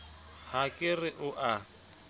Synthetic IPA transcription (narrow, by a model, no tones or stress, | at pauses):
hakʼɪrɪʔʊʔa